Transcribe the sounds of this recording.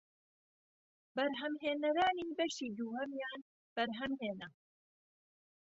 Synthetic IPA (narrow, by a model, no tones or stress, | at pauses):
bɐɾɦɐmɦeːnɐɾaːniːbɐʃiːd̪uːhɐmjaːn | b̥ɐɾɦɐmɦeːnɐ